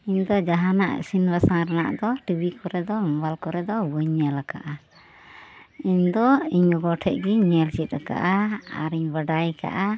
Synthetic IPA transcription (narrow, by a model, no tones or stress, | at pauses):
iɲd̪ɔd͡ʒaɦana̰ʔsinbasaŋɾana̰ʔd̪ɔʈibikɔɾɛd̪ɔmɔbalkɔɾɛd̪ɔbəɲalaka̰ʔa | iɲd̪ɔiɲɔɡɔʈʰɛʔ̚ɡiɲɛlt͡ʃit̪̚ˀaka̰ʔaa̰ɾiɲbaɖajka̰ʔa